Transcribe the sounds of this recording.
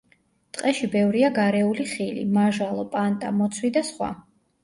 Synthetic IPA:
t̪ʼqʼɛʃibɛvɾiaɡaɾɛuliχilḭmaʒalˠɔpʼant̪ʼamɔt̪sʰwid̪asχwa̰

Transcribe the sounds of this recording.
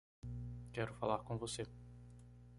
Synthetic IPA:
kɛɾʊfalaɾkõvose

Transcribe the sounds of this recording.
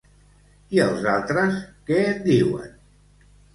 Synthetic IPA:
iəlˠzalˠt̪ɾəskɛət̪̚d̪iwə̰n

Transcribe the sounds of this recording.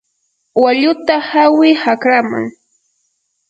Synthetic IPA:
waʎʊt̪ahawɪhakɾama̰ŋ

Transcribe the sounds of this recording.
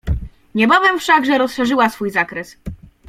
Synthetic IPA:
ɲɛbavɛmfʂaɡʐɛɾɔsʂɛʐɘwasfujzakɾɛs

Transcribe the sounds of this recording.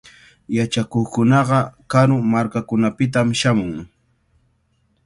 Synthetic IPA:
jat͡ʃakoχkʊnɑɢɑkaɾʊmaɾkakʊnapɪt̪̬amʃamʊŋ

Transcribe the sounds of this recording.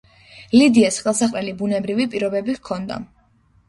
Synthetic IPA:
lid̪iasχɛlˠsaχʼlɛlibunɛbɾivipʼiɾɔbɛbiɣkʰɔnd̪a̰

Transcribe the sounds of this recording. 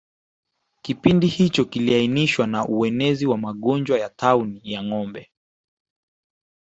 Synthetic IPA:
kipindihit͡ʃɔkiliainiʃwanaʔuɛnɛziwamaɠɔnd͡ʒwajataunijaŋɔmbɛ

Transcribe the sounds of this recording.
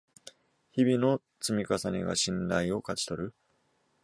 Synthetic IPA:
çibʲino̞ | t͡sɨmʲikasaɲʲiɡa̰ɕĩnɾaio̞kat͡ɕi̥t̪o̞ɾɯ̟

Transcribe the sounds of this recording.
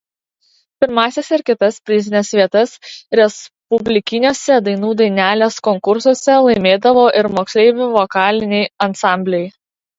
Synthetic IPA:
pʲɪɾmɑːsʲɛsɪɾkʲɪt̪ɐspʲɾʲɪzʲɪnʲɛsʋʲiɛt̪ɐsɾʲɛspʊbʲlʲɪkʲɪnʲoːsʲɛd̪ɐɪnuːd̪ɐɪnʲæːlʲeːskɔŋkʊɾsuɔsʲɛlˠɐɪmʲeːd̪ɐʋoːʔɪɾmoːksʲlʲɛɪʋʲʊʋɔkɑːlʲɪnʲɛɪɐnsɑˑmʲbʲlʲɛj

